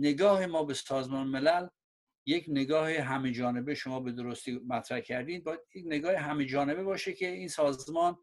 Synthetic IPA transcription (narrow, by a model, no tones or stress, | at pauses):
ne̞ɡɒːhemɒːbesɒːzmɒːnemelæl | je̞cʰne̞ɡɒːheɦæmed͡ʒɒːne̞beʃo̞mɒːbe̞d̪oɾost̪iːmæt̪ʰɾæhcʰæɾd̪iːd̪̚bɒːjæd̪jecne̞ɡɒːheɦæmed͡ʒɒːne̞be̞bɒːʃecʰeiːnsɒːzmɒːn